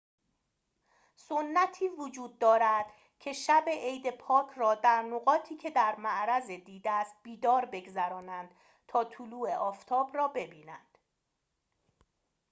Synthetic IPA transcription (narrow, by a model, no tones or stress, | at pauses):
sonːæt̪ʰiːvod͡ʒuːd̪̚ːɒːɾæd̪̥ | cʰe̞ʃæbe̞ʔejd̪e̞pʰɒːcʰrɒːd̪æɾnoɣɒːt̪ʰiːcʰe̞d̪æɾmæʔɾæzed̪iːd̪æst̪̚biːd̪ɒːɾbe̞ɡzæɾɒːnænd̪̥ | t̪ʰɒːt̪ʰuluːeʔɒːft̪ʰɒːbrɒːbe̞biːnænd̪̥